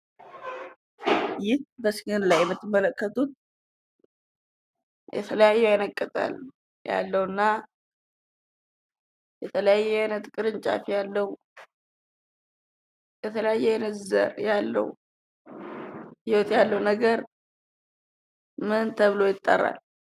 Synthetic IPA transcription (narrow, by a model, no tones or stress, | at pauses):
jɪhbəsɡɨnlajːɛmːɨt̪ːɨmːələkːət̪ʰʼut̪̚ | jɛ̰t̪ʰələjajːɛjanəkʼːət̪ʼa̰l | ja̰lːəhwɨnːa | jɛt̪ʰələjajːɛajnət̪kʼɨɾɨɲt͡ʃʼa̰fjalːəhu | jɛt̪ʰələjajːɛajnət̪zə̰ɾjalːə̰hu | jɪwot̪jalːəwnəɡəɾ | mɨnt̪ʰəβɨlo̞jɪt̪ʼːə̰rːa̰l